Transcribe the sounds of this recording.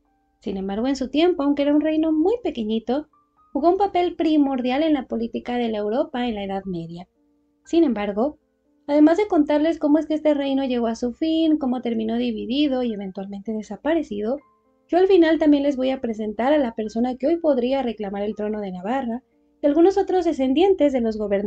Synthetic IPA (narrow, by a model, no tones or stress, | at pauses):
sine̞mbaɾɣ̞o̞ensut̪je̞mpo̞awŋkeeɾaunre̞jno̞mujpe̞keɲit̪o̞ | xuɣo̞umpape̞lpɾimo̞ɾðjale̞nlapo̞lit̪ikaðe̞laewɾo̞pae̞nlae̞ðaðme̞ðja | sinẽ̞mbaɾɣo̞ | aðe̞mazðe̞ko̞nt̪aɾle̞sko̞mo̞e̞s̬keest̪e̞re̞jno̞ʝe̞ɣo̞asufinko̞mo̞t̪e̞ɾmĩno̞ðiβ̞iðiðo̞ie̞β̞e̞nt̪walmẽnt̪e̞ðe̞sapaɾe̞siðo̞ | ɟ͡ʝoalfinalt̪ambje̞nle̞zβo̞japɾe̞s̬e̞nt̪aɾalape̞ɾso̞nakeo̞jpo̞ðɾiare̞klamaɾe̞lt̪ɾo̞no̞ð̞e̞naβara | ialɣuno̞so̞t̪ɾo̞zðe̞s̬e̞nd̪je̞nt̪e̞zðe̞lo̞zɣo̞βeɾn